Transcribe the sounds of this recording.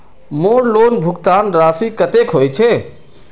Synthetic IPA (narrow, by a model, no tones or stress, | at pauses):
moːnloːnbʱʊɡt̪aːnɾaːsikət̪ekɦoːjt͡ʃʰe